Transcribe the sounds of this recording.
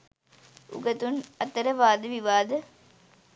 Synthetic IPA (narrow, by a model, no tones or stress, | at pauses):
ṵɡɐt̪unɐt̪ːɐɾɐʋaːd̪ɨʋiʋaːd̪ɐ